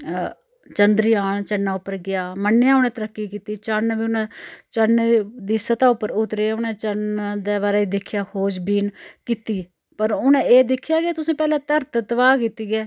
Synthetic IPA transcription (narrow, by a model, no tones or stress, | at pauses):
t͡ʃənd̪ɾiːaːnt͡ʃənːaːʊpːəɾɡɪjaːmənːjãːʊnẽːt̪əɾəkːiːkiːt̪iːt͡ʃənʋiːʊnãːt͡ʃənd̪iːsət̪ãːʊpːəɾʊt̪ɾeːʊnẽːt͡ʃənd̪eːβaːɾeːiːd̪ɪkʰːjaːkʰoːd͡ʒbiːnkiːt̪iː | pəɾʊnẽːeːd̪ɪkʰːjaːkeːt̪ʊsẽːpɛːlãːt̪əɾt̪t̪əʋaːkiːt̪iːɡɛː